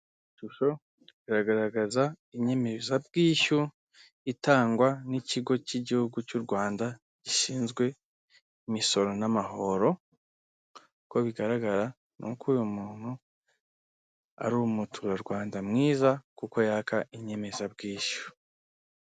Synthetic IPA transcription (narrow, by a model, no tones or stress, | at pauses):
iʃuʃo̞ | iɾaɡaɾaɡaza | iɲe̞me̞zab̚ɡiːʃu | itaːŋɡwaniciɡo̞ciɟihuɡucuɾɡwaːnda | ɟiʃiːnzɡwe̞ | imiso̞ɾo̞namaɦo̞ɾo̞ | ko̞βiɡaɾaɡaɾa | nṵkuːjumuːn̥hu | a̰ɾuumutʰuːɾaɾɡwaːndamŋiːzakuko̞jakaʔiɲe̞me̞zabɡiːʃu̥